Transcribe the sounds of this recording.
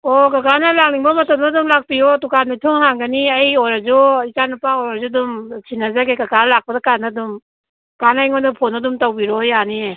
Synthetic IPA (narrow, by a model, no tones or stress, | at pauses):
ɔkakanalaŋ̚niŋbɔmɔtɔmnadumlak̚pijɔtukanatʰɔŋhaŋɡaniajɔɾazɔikanapaɔɾazudumsʰinazaɡekakanlak̚padakanadum | kanajŋɔnɔpʰɔnɔdumtawbiɾɔjanie